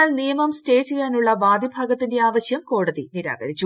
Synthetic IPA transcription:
aːlnijɐmɐmste̞ːt͡ɕːejːaːnuɭːɐʋaːd̪ibʱaːɡɐt̪ːinde̞aːʋɐɕjɐmko̞ːɽɐðiniɾa̰ːɡɐɾit͡ɕːu

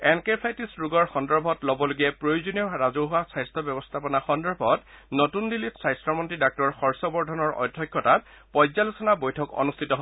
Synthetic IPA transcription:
ɛnkepʰajtisɹuɡɔɹxɔndɔɹbʱɔtlɔbɔloɡiɛpɹojozɔnijɔɹazuɦʊwasajstʰɔbɔbɔst̪ʰapɔnaxɔndɔɹbʱɔtnotundilːitsajstɹɔmɔntɹidak̚tɔɹxɔɹsɔbɔɹdʱɔnɔɹɔ̰dʱːɔkːjɔta | pɔjzalusɔnabojtʰɔkɔ̰nustʰitɔɦ

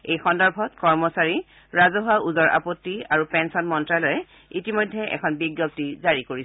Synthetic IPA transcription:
ejxɔndɔɹbʱɔtkɔɹmɔsaɹi | ɹazɔɦauzɔɹʔa̰potːiaɹupɛnsɔnmɔntɹalɔjɛ | itimɔjdʱːɛʔɛ̰kʰɔnbiɡjɔp̚tizaɹikoɹis

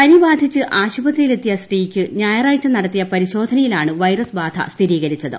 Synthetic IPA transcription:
pɐnibaːd̪ʱit͡ɕːɨʔaːɕubɐt̪rijile̞t̪ːijɐsʈiːkʲːɨɲaːjɐraːjt͡ɕːɐmnɐɽɐt̪ːijɐpɐɾiɕo̞ːd̪ʱɐnɐjilaːɳɨʋɐjrɐsbaːd̪ʱʰɐ̰st̪ʰiɾiːɣɐɾit͡ɕːɐðɨ̰

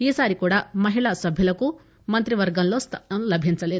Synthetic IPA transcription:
isaɾikuɽamʌɦilasʌbʱjilɐku | mʌnt̪ɾiʋʌɾɡʌnlost̪ʰñlɐbʱint͡sɐlet̪

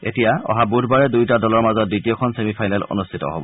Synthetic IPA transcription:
ḛtijaɔ̰ɦabudʱbaɹɛdujtadɔlɔɹmazɔt̚ditijɔkʰɔnsemipʰajnɛlo̰nustʰitɔ̰ɦobɔ

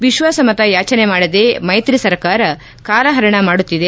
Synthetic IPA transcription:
ʋiʃʋaːsɐmɐt̪ɐjaːt͡ʃɐnemaːɽɐd̪emɐjt̪ɾisɐɾkaːɾɐ | kaːlɐɦɐɾɐɳɐmaːɽut̪ːid̪e

